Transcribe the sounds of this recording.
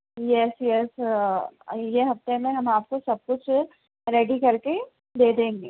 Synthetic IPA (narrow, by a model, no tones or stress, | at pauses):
jɛsjɛs | jeɦɐft̪emẽɦɐmaːp̚kosɐb̚kʊt͡ʃʰ | ɾeːɖikɐɾke | d̪eːd̪ẽːŋɡeː